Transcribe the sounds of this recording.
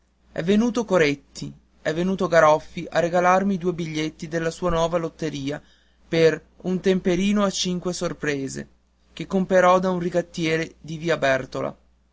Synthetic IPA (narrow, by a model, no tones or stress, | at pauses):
ɛ̰vːenuːt̪okoɾet̪ʰːi | ɛvːenuːt̪oɡaɾɔfːiʔa̰reɡalarmid̪uːebiʎːet̪ːid̪elːasuːanwɔːvalot̪ːeɾiːa | per | unt̪empeɾiːnoat͡ʃiŋkwesorpɾeːzḛ | k̟ekːompeɾɔd̪aunriɡat̪ːjɛːɾed̪iviːabɛrt̪ola̰